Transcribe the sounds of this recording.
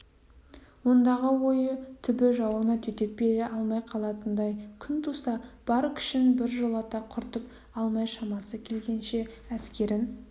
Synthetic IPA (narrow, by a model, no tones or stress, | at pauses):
wo̞nd̪ɑʁəwo̞jət̪ʰʏbɪʒɑwənɑt̪ʰʏt̪e̞p̚be̞ɾeʔɑlˠmɑjqʰɑlˠɑt̪ənd̪ɑjkʲʰʏnt̪ʰusɑb̥ɑɾkʲʰɪ̥ʃɪnbɪɾʒolˠɑt̪ɑqʰʊɾt̪əp̚ | ɑlˠmɑjʃɑmɑsəkʲʰe̞lɡʲe̞nʃe̞ | æskʲe̞ɾɪn